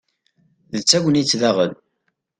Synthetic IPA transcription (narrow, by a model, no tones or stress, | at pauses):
ðət͡sːæɡʷənit͡sːðæʁən